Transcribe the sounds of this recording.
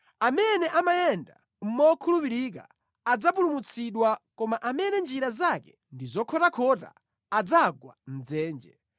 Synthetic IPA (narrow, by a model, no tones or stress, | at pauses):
amɛnɛʔamajɛnda | m̩mɔkʰulupiɾik̬a̰ | ad͡zapulumut͡sʰiɗwakɔmaʔamɛnɛnd͡ʒiɾazakɛ | ndizɔkʰɔtakʰɔta̰ː | d͡zaɡwa̰n̩d͡zɛːnd͡ʒɛ